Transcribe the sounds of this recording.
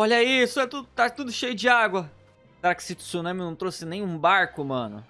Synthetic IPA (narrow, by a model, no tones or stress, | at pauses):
ɔʎɐisʊɛt̪ud̪ʊt̪at̪ud̪ʊʃejʊd͡ʒɪaɡwɐ | sɛɾakɪ̥sɪt̪u̥sonõmɪnɐ̃w̃t̪ɾosɪnẽj̃ũbaɾkʊmɐ̃nʊ̰